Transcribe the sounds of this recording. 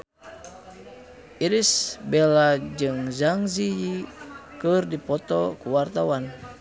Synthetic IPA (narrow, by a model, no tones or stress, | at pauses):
ʔiɾisbɛlad͡ʒɨŋzaŋzijikɨrdipɔt̪ɔkuwart̪awan